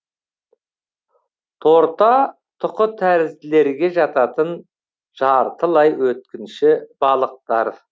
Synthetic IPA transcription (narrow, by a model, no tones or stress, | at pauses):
t̪ʰo̞ɾt̪ɑ | t̪ʰʊqət̪ʰæɾɪzɪle̞ɾɡʲe̞ʒɑt̪ɑt̪ən | ʒ̥ɑɾt̪əlˠɑjwɵt̪̚kʲɪnʃɪbɑlˠəq̚t̪ɑɾ